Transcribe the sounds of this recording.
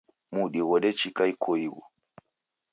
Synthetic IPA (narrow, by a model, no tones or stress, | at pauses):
muɗiɣɔɗɛt͡ʃikaikʰɔiɣɔ̰